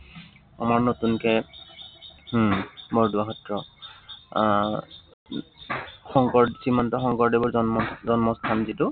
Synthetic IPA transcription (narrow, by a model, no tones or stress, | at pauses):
a̰maɹnotunkɛ | mɔɹduaɦɔtɹɔ | xɔŋkɔɹdsimɔntɔxɔŋkɔɹdebʊɹzɔnmɔzɔnmɔstʰanzitʊ